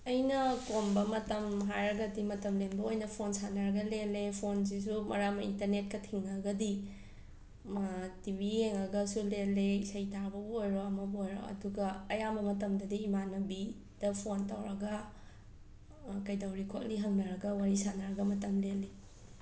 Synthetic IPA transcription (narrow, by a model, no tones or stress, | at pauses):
ɐjnɐkombɐmɐtɐmɦajɾɐɡɐdimɐtɐmlenbɐojnɐpʰonsanaɾɐɡɐlelepʰonzis̬umɐ̰ɾamɐintɐɾnet̚kɐtʰiŋaɡɐdi | tibieŋɐɡɐsuleleisɐjtaɾbɐbuojɾoɐmɐbojɾo̰ɐ̰duɡɐːjamɐmɐtɐmdɐdiːmanɐbi | d̥ɐpʰontawɾɐɡɐ | kɐjdawɾikʰok̚liɦɐŋnɐɾɐɡɐwaɾisanaɾɐɡɐmɐtɐmlele